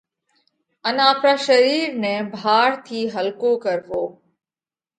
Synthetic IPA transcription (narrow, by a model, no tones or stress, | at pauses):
ənaːpɾaːʃəɾiːɾnɛ̃ːbʱaːɽt̪ʰiːɦəlkoːkəɾʋoː